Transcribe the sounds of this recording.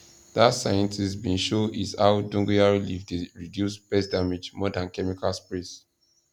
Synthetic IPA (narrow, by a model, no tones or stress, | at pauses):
ðatsajɛ̃ntʰistbĩnʃoʔizaʊdɔ̃ŋɡujaɹilifdeɹidjusb̥ɛsdamed͡ʒmɔdãnkɛmikalspɹis